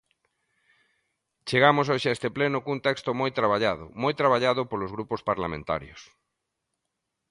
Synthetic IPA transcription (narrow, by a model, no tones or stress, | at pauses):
t͡ʃeɣamosoʃeaest̪eplenʊkunt̪ɛkst̪ʊmojt̪ɾaβ̞aʎaðʊ̰mojt̪ɾaβaʎaðʊpolozɣɾupospaɾlamẽnt̪a̰ɾjos